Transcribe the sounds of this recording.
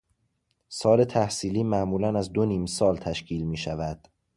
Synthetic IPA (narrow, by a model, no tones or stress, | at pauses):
sɒːle̞t̪ʰæhsiːliːmæʔmuːlænæzd̪oniːmsɒːlt̪ʰæʃcʰiːlmiːʃævæd̪̥